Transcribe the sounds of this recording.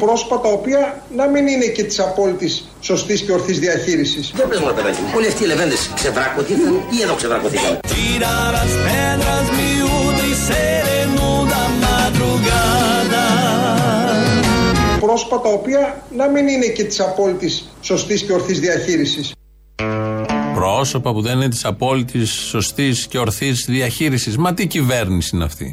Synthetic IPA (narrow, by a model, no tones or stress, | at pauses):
pɾo̞sfɐt̪ɐo̞piɐ | nɐminine̞ce̞t̪i̥sɐpo̞lit̪isːo̞st̪isceo̞ɾθizðiɐçiɾisisðebɾezmɐnɐt̪eɾɐtioliɐft̪iːlevend̪esksevɾɐkoθikɐieðoksevɾɐkoθikɐnt̪iɾaɾɐsfend̪ɾɐzmiuðiseɾenund̪ɐmaðɾuɣad̪ɐ | pɾo̞so̥pɐt̪ɐopiɐnɐmininece̞t̪i̥sɐpo̞lit̪isːo̞st̪isce̞oɾθizðiɐçiɾisis | pɾo̞so̞pɐpuðeninet̪i̥sɐpo̞lit̪isːo̞st̪isce̞o̞ɾθizðiɐçiɾisizmɐt̪iciveɾnisiinɐ̰ft̪ḭ